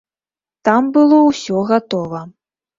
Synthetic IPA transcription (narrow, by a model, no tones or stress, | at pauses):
t̪ambɨlˠɔwsʲɔɣat̪ɔvɐ